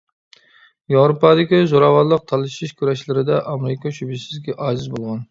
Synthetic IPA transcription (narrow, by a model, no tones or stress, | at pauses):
jɑwɾopɑd̪ɪkʲizoɾɑwɑlːˠəq̚t̪ʰɑlˠɨʃiʃkʲʰyɾɛʃlɪɾɪd̪ɛʔɑmɾɪkʰɑʃybiʃsɪzɡʲɛʔɑːd͡ʒɨzbolˠʁɑn